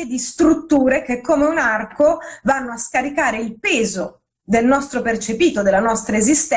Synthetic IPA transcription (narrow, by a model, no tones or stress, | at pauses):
ed̪ist̪ɾut̪ːuːɾek̟ekʰːomeunarkovanːoaskaɾikaːɾeilpɛːzo | d̪elnɔst̪ɾopert͡ʃepiːt̪od̪elanɔst̪ɾaezist̪